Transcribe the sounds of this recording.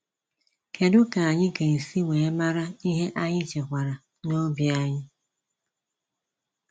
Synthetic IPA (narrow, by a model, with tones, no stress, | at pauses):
ke˨dʊ˦ka˨a˨ɲɪ˦ke˨n̩˨si˦ŋʷe˨e˦ma˦ɾa˦i˦ɦe˦ʔa˦ɲɪ˦t͡ʃe˨kʷa˨ɾa˨ | no˦bja˦ɲɪ˦